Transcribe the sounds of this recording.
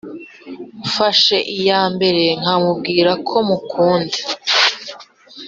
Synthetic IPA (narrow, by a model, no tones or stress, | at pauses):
faʃe̞ʔijaːmbe̞ɾe̞ŋ̥amub̚ɡiːɾakʰo̞mukʰuːnde